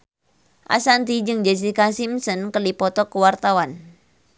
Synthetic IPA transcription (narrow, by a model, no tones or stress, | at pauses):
ʔa̰sant̪id͡ʒɨŋd͡ʒɛs̬ikasimsənkəlipɔt̪ɔkəwart̪awan